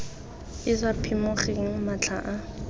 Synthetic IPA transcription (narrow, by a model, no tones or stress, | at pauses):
ɪsapʰimʊχeŋ̩mat͡ɬʰa̰ʔa